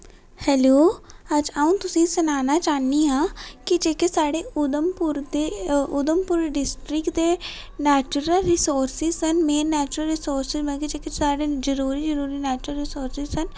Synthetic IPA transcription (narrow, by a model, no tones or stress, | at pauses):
hɛːloːəd͡ʒaũːt̪ʊsĩːsənaːnaːt͡ʃaːniːɦãːkɪd͡ʒeːkesaːɽeːʔʊd̪əmpʊɾd̪eːʊd̪əmpʊɾɖɪsʈɾɪkd̪eː | nɛːt͡ʃʊɾəlɾɪsoːɾsɪzsənmeːɾnɛːt͡ʃʊɾəlɾɪsoːɾsɪzmɛ̃ːkid͡ʒeːkesaːɽeːzəɾuːɾiːd͡ʒəɾuːɾiːnɛːt͡ʃɾəlɾɪsoːɾsɪzsən